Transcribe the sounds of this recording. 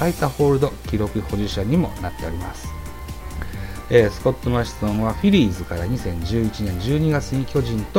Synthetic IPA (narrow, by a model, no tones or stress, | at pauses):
ait̪aɸo̞ːɾɯ̟d̪o̞kʲiɾo̞kɯ̟ho̞ʑiɕaɲ̟imo̞̰nat̪ːe̞aɾʲimasɨ̥ | eːsɨ̥ko̞t̪ːomaɕi̥sõɰ̃βaɸiɾʲiːzɨkaɾaɲ̟isẽ̞ɲ̟d͡ʑɨːit͡ɕinẽ̞ɲ̟d͡ʑɨːɲ̟iɡat͡sɨɲ̟ikʲo̞ʑĩnt̪o